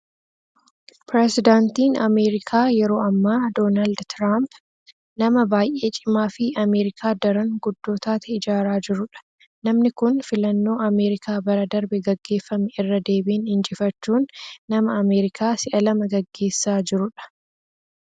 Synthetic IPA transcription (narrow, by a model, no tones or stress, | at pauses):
pɾɛsɪd̪aːnt̪iːnɐme̞ːɾɪkʰaːjɛɾo̞ːɐmːaːd̪o̞ːnaːld̪t̪ɾaːmp | nɐmɐbaːjʔe̞ːt͡ʃʼɪmaːfɪɐme̞ːɾɪkʰaːd̪ɐɾɐŋɡʊd̪ːo̞ːt̪aːt̪ɛɪd͡ʒaːɾaːd͡ʒɪɾʊᶑɐ̥ | nɐmnɪkʊnfɪlɐnːo̞ːɐmeːɾɪkʰaːbɐɾɐd̪ɐɾbɛɡɐɡːe̞ːfːɐmɛɪrːɐd̪e̞ːbiːnhɪnt͡ʃʼɪfɐt͡ʃːuːnːɐmɐɐmeːɾɪkʰaːsɪʔɐlɐmɐɡɐɡːe̞ːsːaːd͡ʒɪɾʊᶑɐ̥